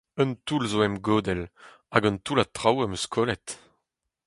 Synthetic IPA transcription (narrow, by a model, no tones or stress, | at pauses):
œnt̪ulzoɛmɡoːd̪ɛl | aɡœnt̪ulat̪ʁawɛmøskʰoːlɛt̪